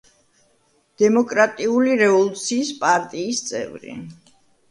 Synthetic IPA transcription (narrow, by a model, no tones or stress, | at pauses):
d̪̥ɛmɔkʼɾat̪ʼiuliɾɛvɔlˠut̪sʰiːspʼaɾt̪ʼiːst̪sʼɛ̰vɾḭ